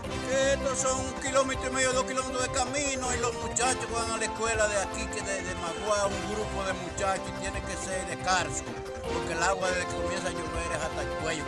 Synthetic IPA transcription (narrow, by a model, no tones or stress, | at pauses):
keet̪osoŋkilomet̪ɾoimeðjoðokilomet̪ɾoðekamĩnoilomut͡ʃat͡ʃokβaŋalekwelaðeakikeðeðemaɣwauŋɡɾupoðemut͡ʃat͡ʃot̪jenẽkeseɾðekaɾsel | poɾkelaɣwaðeðekeomjẽs̬aɲuβeɾehat̪at͡ʃwejo